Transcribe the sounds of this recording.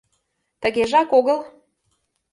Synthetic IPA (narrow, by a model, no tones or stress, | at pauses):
t̪ə̆ɣeʒɑkoɣə̆l